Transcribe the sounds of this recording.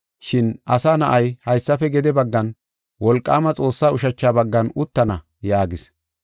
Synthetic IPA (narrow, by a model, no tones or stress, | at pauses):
ʃɪnʔɐsaːnɐʔɐjhɐjsːɐfɛɡɛd̪ɛbɐɡːɐn | wɔlkʼːa̰ːmɐt͡sʼo̞ːsːaːʊʃɐt͡ʃːaːbɐɡːɐnʊt̪ːɐnɐ | jaːɡɪs